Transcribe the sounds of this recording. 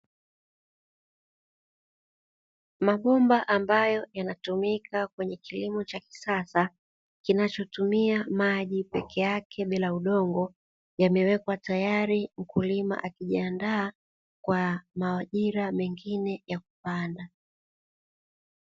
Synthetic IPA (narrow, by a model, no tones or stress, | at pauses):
maɓɔmbaʔambajɔjanatumikakwɛɲɛkilimɔt͡ʃaki̥sasa | kinat͡ʃɔtumiamaʄipɛkʰɛjakʰɛɓilauɗɔŋɡɔ | jamɛwɛkwatajaɾim̩kulima̰ʔakiʄiandaː | kwamaaʄiɾamɛŋɡinɛjak̚upanda